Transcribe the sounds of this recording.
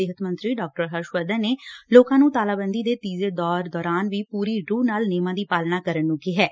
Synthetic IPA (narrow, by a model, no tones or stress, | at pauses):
eːɦət̪mənt̪ɾiːɖɔːk̚ʈəɾɦəɾʃwəːd̪əneːloːkãːnũːt̪aːlaːbənd̪iːd̪eːt̪iːzeːd̪ɔːɾd̪ɔːɾaːnʋiːpuːɾiːɾuːnaːlneːmãːd̪iːpaːlnaːkəɾənːũːkiːɦɛː